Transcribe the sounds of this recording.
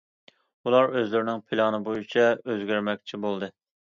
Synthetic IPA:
ulˠɑɾøzlɪɾɪnɪŋpʰɪlˠɑnɨbojit͡ʃʰɛøzɡʲæɾmɛkʲt͡ʃʰibolˠd̪ɨ

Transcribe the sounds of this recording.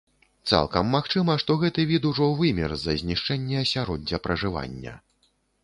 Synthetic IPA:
t̪sa̰lˠkɐmːaxt͡ʂɨmɐʂt̪ɔɣɛt̪ɨvʲit̪uʐɔvɨmʲɛ̰rzɐ̰zʲnʲiʂt͡ʂɛnʲːɛɐsʲaɾɔd̪ʲɐpɾɐʐɨva̰nʲːɐ̰

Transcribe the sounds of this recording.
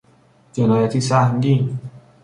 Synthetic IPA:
d͡ʒenɔːjat̪ʰisahŋɡiŋ

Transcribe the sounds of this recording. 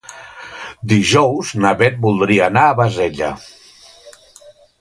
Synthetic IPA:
d̪iʒɔwznaβɛt̪̚bulˠd̪ɾiəːnaːβazeʎə̰

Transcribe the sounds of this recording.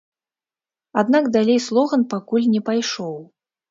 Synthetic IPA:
ad̪nakd̪alʲejslˠɔɣɐnpakulʲnʲɛpajʂɔw

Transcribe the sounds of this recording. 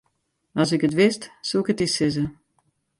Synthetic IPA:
ɑsɪkətʋɪstsuɪkətisɪzə

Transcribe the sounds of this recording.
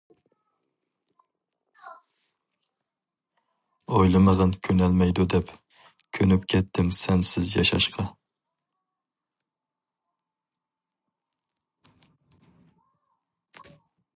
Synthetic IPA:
ojlˠɨmɨʁɨnkʲʰønɛlmɛjd̪ud̪ɛp | kʲʰønypkʲʰɛt̪ʰːɪmsɛnsɪzjɑ̰ʃɑ̰ʃqʰɑ

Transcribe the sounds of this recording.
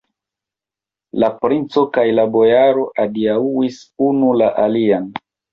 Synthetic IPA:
lapɾint͡so̞kajlabo̞jaɾo̞ʔadiauwisunulaʔalian

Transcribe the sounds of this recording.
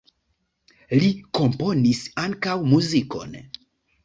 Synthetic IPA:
liko̞mpo̞nisaŋkawmuziko̞̰n

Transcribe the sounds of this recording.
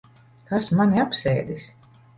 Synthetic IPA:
kasmanʲiapsɛːd̪is

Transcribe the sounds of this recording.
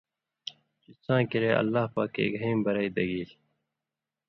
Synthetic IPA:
t͡ɕisãːkiɾeːʔɐ̰lːaːhpaːkːḛːkɦĩːmbɐɾaiːd̪ɐɡiːl

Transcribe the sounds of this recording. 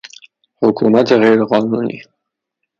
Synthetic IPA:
hʊkʰumat̪eɣejɾqɑnunḭ

